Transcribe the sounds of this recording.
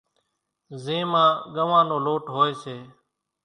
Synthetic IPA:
zẽːmãːɡəʋãːnoːloːʈɦoːeːseː

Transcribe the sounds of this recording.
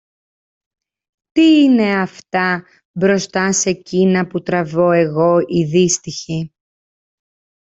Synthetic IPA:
t̪iːne̞ɐft̪ɐ | bɾo̞st̪ɐse̞cinɐput̪ɾɐvo̞e̞ɣo̞iðist̪içi

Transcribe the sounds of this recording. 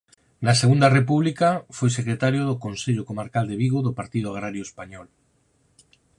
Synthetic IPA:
naseɣ̞und̪arepuβlikafwojsekɾet̪aɾjoðokonseʎokomaɾkald̪eβiɣoðopaɾt̪iðoaɣ̞ɾaɾjoespaɲɔl

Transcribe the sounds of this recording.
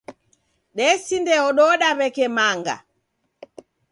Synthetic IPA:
ɗɛsindɛɔɗɔɗaβɛkɛmaŋɡa̰

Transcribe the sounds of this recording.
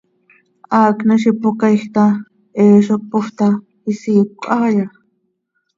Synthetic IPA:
aːknəʃipʊkajxt̪a | eːʃok̚pʊht̪a | isiːp̚kʷʼaja

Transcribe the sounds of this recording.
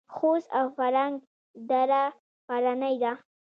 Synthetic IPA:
xosawfaɾaŋɡ | d̪aɾa | paɾanajd̪a

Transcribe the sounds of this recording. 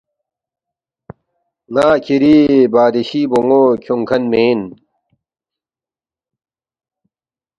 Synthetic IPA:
naːkʰiɾibaːd̪eɕiːboŋoːkʰoŋkʰɐnmeːn

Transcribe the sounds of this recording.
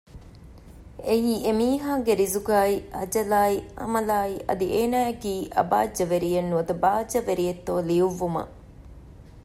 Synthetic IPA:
eɦiːemiːɦaːɡeɾizuɡaːiɐd͡ʒɐlaːiɐ̰mɐlaːiʔɐ̰d̪iʔeːnaːekiːʔɐ̰ba̰ːd͡ʒːɐʋeɾijɐnːuʋɐd̪ɐbaːd͡ʒːɐʋeɾijɐt̪ːoːliuʋːumɐ̰

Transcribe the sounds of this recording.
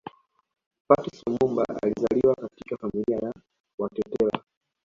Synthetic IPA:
patisɔmumba̰a̰lizaliwakatikafamiliaja | watɛtɛl̰a

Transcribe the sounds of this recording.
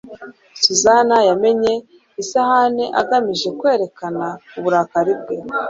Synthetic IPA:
suzanajame̞ɲe̞ | isahaneʔa̰ɡamiʒe̞kwe̞ːɾe̞kanauβuɾaːkaɾib̚ɡe

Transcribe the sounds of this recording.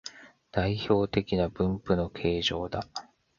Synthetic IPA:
d̪̥aiço̞ːt̪e̞kʲinabɯ̟̃mpɯ̟no̞kʰe̞ːʑo̞ːd̪a

